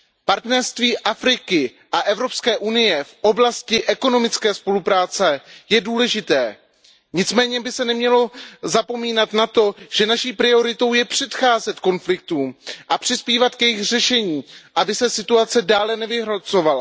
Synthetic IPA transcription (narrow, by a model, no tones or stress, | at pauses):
paɾt̪nɛɾst̪viːʔafɾɪkɪ | ʔaʔɛvɾo̞pskɛːʔunɪjɛfʔo̞blascɪʔɛkono̞mɪt͡skɛːspo̞lupɾaːt͡sɛjɛduːlɛʒɪt̪ɛː | ɲɪt͡smɛːɲɛbɪsɛnɛmɲɛlo̞zapo̞miːnat̪nat̪o̞ʒ̥ɛnaʃiːpɾɪo̞ɾɪt̪o̞wjɛpr̝̥ɛt̪xaːzɛt̪ko̞nflɪk̚t̪uːmʔapr̝̥ɪspiːvat̪kjɛjɪxr̝ɛʃɛɲiːʔabɪsɛsɪt̪uat͡sɛdaːlɛnɛvɪɦɾot͡so̞vala̰